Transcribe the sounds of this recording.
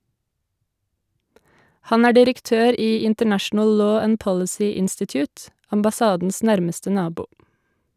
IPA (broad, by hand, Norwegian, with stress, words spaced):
ˈhɑn ˈæː ɖɪɾəkˈtøːɾ ˈiː ɪntəˈɳæʃn̩əl ˈloː ˈænd ˈpɔlɪsiː ˈɪnstɪtjʊːt ɑmbɑˈsɑːdn̩s ˈnæɾməstə ˈnɑːbuː